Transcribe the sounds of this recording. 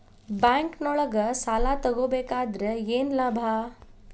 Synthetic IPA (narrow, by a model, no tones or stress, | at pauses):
bãŋknɔɭəɡəsalat̪əɡobekaːd̪ɾəjeːnlabʱa